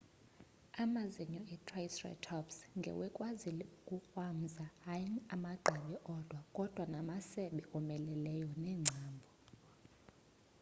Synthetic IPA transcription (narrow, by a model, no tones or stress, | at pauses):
amaziɲɔɛtʰʼraisrɛ̰tʰɔpsŋɡʱɛ̰wɛkʼwazilɛukʼuxwam̩zahajamaɡ͡ǃʱɛɓɛʔɔd̥ʱwakʼɔd̥ʱwanamasɛɓɛʔɔmɛlɛlɛjɔnɛːŋ͡ǀʱaːmbʱɔ